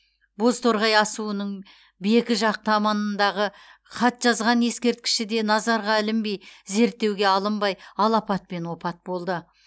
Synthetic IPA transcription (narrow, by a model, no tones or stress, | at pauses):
bo̞zt̪ʰo̞ɾʁɑjɑsuənəɴ | bɪje̞kʲɪʒɑq̚t̪əɑmɑnənd̪ɑʁə | χʰɑt̪ʒ̥ɑzʁɑne̞skʲe̞ɾt̪̚kʲɪ̥ʃɪd̪e̞nɑzɑɾʁɑɪlɪmbe̞jze̞ɾt̪ːe̞wɡʲe̞ɑlˠəmbɑjɑlˠɑpɑt̪̚pe̞nwo̞pɑt̪̚bo̞lˠd̪ə